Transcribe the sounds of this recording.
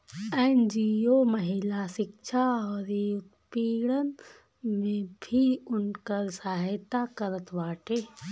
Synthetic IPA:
end͡ʒioməɦɪlasɪkʃʰaɔːɾiʊt̪piːɽən | mẽbʱiʊnkəɾsaːɦɪt̪akəɾət̪ʰbaːʈʰe

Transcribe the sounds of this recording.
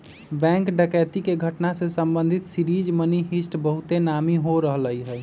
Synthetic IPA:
bɛ̃ŋkɖəkɛt̪ikeɡʱəʈnasesəmbə̃nd̪ʱit̪siɾid͡ʒməniɦisʈbəɦut̪enamiɦoɾəɦləiɦəj

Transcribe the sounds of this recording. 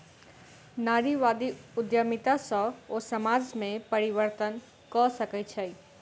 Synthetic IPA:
naɾiʋad̪iʊd̪jamit̪asɔ̃osəmaːd͡ʒmẽpəɾiʋəɾt̪ən | kɔsəkət͡ʃʰɛi

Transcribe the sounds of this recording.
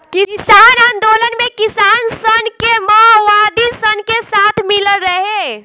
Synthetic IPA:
kikisaːnãːnd̪oːlənmẽkisaːnsənkeməɦʋaːd̪isənkesaːt̪ʰmɪləɾəɦe

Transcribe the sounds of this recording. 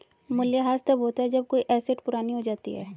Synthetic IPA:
mʊljaɦaːst̪ɐbɦoːt̪aɦɛd͡ʒɐb̚koːiʔɛːseʈpʊɾaːniɦod͡ʒaːt̪iɦɛː

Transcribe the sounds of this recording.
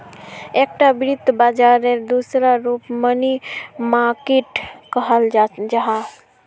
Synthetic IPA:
ekʈabɾid̪ʱbad͡ʒaɾeɾd̪usɾaɾupmənimaɾkeʈkəɦəld͡ʒaɦa

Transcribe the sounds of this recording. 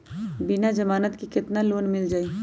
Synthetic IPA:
bɪnad͡ʒɐmaːnət̪kikɪt̪naloːnmɪld͡ʒaːiː

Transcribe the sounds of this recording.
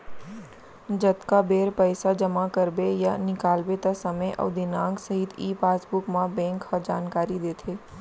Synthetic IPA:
d͡ʒɐt̪kabeːɾpəɪsad͡ʒɐmakɐɾbejanɪkaːlbet̪asɐməjʔɔ̰ːd̪ɪnãːŋɡsɐɦɪt̪ʰiːpaːsbʊkmãbɛ̃ːŋkhad͡ʒaːnkaːɾid̪eːt̪ʰeː

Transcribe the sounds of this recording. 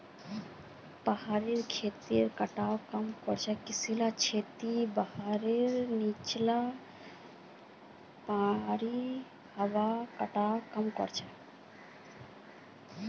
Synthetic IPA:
pəhaɾeɾkʰet̪iɾkəʈawkəmkɔɾt͡ʃʰɛkisilat͡ʃʰet̪ibahaɾeɾnit͡ʃla | pãɾi | həwakəʈakəmkɔ̰ɾt͡ʃʰɛ

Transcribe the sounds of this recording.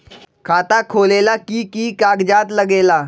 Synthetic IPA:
kʰat̪akʰolelakiːkiːkaɡd͡ʑat̪ləɡela

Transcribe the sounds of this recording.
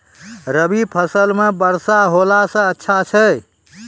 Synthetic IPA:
ɾəbipʰəsəlmebəɾsaɦolasə̃ətːʃʰat͡ʃʰə

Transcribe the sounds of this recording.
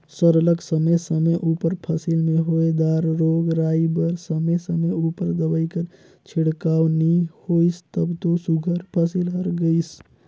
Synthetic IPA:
səɾləksəməsəməʔupəɾpʰəsilmeɦoed̪aɾːoɡɾaibəɾsəməsəməupəɾd̪əbəjkəɾ | t͡ʃʰiɽkawnihoist̪əbt̪osuɡʱəɾpʰəsilɦəɾɡəɪs

